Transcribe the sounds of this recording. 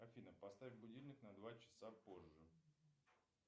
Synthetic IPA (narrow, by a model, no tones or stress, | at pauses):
ɐfʲinəpɐst̪avʲvʲbʊdʲilʲnʲɪknɐd̪vat͡ɕɪ̥sapo̞ʐːɨ